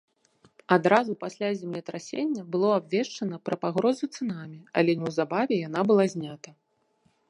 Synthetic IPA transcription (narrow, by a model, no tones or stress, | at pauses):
ad̪ɾazupasʲlʲazʲɛmlʲɛt̪ɾasʲenʲːɐbɨlˠɔabvʲɛʂt͡ʂɐnɐpɾɐpaɣɾɔzut̪sɨnamʲiɐ̰lʲɛnʲɛwzabavʲɛjanabɨlˠazʲnʲat̪ɐ